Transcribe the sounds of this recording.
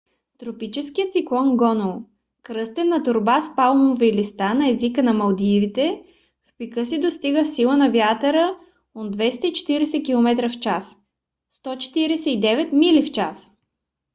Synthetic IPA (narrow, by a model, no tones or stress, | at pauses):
t̪ɾopit͡ʃɛskijət̪siklˠɔnɡɔnolˠ | kɾɤst̪ɛnːɐt̪ʊɾbaspalˠmovɛilist̪anɐɛzikənɐmɐlˠd̪ivit̪ɛ | fpikɤsid̪ost̪iɡəfsilˠənɐvjat̪əɾə | od̪vɛst̪əit͡ʃɛ̥t̪iɾɛsɛkilˠomɛt̪ɾəft͡ʃas | st̪ɔt͡ʃɛ̥t̪iɾɛsɛid̪ɛvɛt̪milift͡ʃas